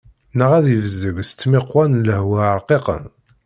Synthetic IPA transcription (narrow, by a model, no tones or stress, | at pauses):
nəʁæðivəzːəɡst͡sːmɪqːwænləhwæɾqeqə̰n